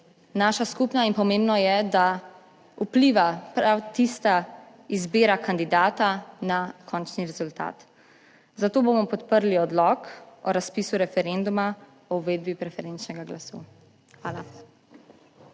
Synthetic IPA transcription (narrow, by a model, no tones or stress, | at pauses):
naːʃaskupnainpɔmẽːmbnɔjɛd̪a | upliʋapɾawt̪ist̪a | izbeːɾakand̪id̪aːt̪anakʰɔːnt͡ʃniɾɛzult̪a̰ːt̪ | zat̪oːboːmɔpɔt̪pəɾliɔd̪lɔkɔɾaspiːsuɾɛfɛɾend̪uma | ɔuʋeːd̪̚bipɾɛfɛɾent͡ʃnɛɡaɡlasṵː | xʋaːla